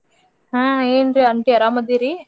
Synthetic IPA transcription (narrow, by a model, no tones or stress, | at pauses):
ɦãːeːnɾiɐɳʈiɐɾaːmɐd̪iɾi